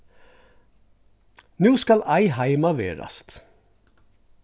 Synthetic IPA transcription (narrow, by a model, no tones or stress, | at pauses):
nʉːskɑlʔæɪhæɪmɑʋḛːɾɑ̰st̪